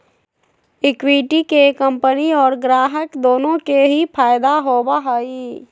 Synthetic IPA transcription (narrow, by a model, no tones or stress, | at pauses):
ɪkwiʈikekə̃mpəniɔːɾɡɾaːɦəkd̪oːnõkeɦipʰaːjd̪aɦoːbaɦəi